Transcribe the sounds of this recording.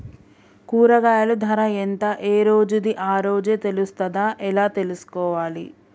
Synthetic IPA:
kuːɾɐɡaːjɐlud̪ʱɐɾɐent̪ɐʔeːɾoːd͡ʒud̪iʔaːɾoːd͡ʒe̞ːt̪e̞lust̪ɐd̪aːʔɛlaːt̪e̞lusu̥kɔːʋaːlḭ

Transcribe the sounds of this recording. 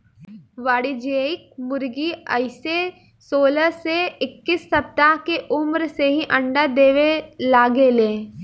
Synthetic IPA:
ʋaːɽid͡ʒeːɪk̚mʊɾɡiə̰ɪse | soːləseɪkːɪsːɐp̚t̪aɦkeʔʊmɾseɦiʔɐ̃ɳɖad̪eːʋelaːɡeleː

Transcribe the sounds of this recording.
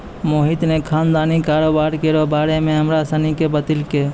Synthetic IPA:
moːɦit̪nekʰand̪aːnikaːɾobaɾkeɾobaːɾemẽɦəmɾasənikebət̪ilke

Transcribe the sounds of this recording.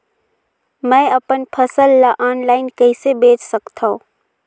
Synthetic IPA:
mɛ̃ːɐpənpʰəsəlːaʔaːnlaːɪnkəɪsebeːt͡ʃsəkt̪ʰaõ

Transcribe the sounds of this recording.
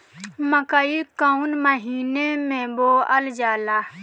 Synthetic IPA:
məkaikaunməɦiːnemẽboːəld͡ʒaːlaː

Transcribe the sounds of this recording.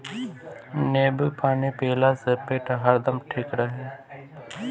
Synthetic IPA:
neːbəpʰaːneːpeːlaːsəpeːʈɦəɾd̪əmʈʰɪkɽaːɦɛː

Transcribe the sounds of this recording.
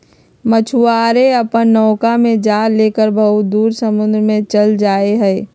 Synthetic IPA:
mət͡ʃʰuaːɾeɐpənːɔːkamẽd͡ʒaːɾleːkəɾbʱɐɦʊt̪̚d̪uːɾsəmʊ̃nd̪ɾəmẽt͡ʃəld͡ʒaːeɦɛː

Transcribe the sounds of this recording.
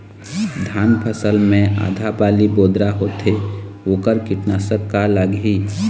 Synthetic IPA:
d̪ʱjaːnpʰəsəlmẽa̰ːd̪ʱabaːliboːd̪ɾaɦot̪e | oːkəɾkɪʈnaːsəkːaləɡɦi

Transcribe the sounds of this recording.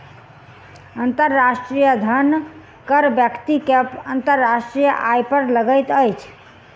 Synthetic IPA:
ənt̪əɾːasʈɾijəd̪ʱən | kəɾbjəkt̪ikepənt̪əɾːasʈɾijəʔajpəɾləɡəjt̪əjt͡ʃʰ

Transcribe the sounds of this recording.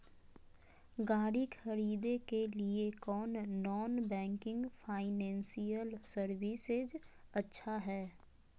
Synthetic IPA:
ɡaːɽikʰɐɾiːd̪ekeliekɔːnːɔːnbɛ̃ːŋkɪ̃ŋɡfʰaːɪnɛ̃ːnsijəlsəɾʋɪsed͡ʒɐtːʃʰaɦɛː

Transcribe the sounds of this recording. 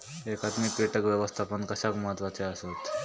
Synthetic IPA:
ekad̪mikɾiʈəkʋjeʋəst̪ʰapəɳkəɕakməɦət̪ʋat͡seəsot̪

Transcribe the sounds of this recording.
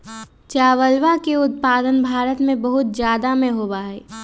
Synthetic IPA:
t͡ʃaːʋəlʋakeʊt̪̚paːd̪ənbʱaːɾət̪mẽbəɦʊt̪zjaːd̪amẽɦoːbaɦɛː

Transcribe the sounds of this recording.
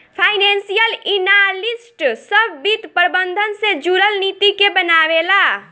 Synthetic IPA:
pʰajnensijəlinalisʈsəbbit̪pəɾbənd̪ʱənsẽd͡ʒuɾəlnit̪ikebənabela

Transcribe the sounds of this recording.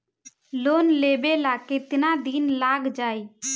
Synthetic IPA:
loːnleːɓeːlaːket̪naːd̪iːnlaːɡd͡ʒaːiː

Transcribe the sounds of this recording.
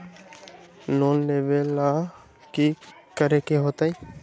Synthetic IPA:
noːnneʋela | ki | kəɾekeɦoːt̪aĩ

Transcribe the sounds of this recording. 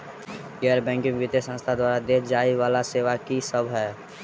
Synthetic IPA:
ɡɛːəɾbɛ̃ːŋkɪ̃ŋʋɪt̪esə̃nst̪ʰad̪waːɾad̪eːd͡ʒaːiʋaːlaseːʋakisəbʱɦɛː

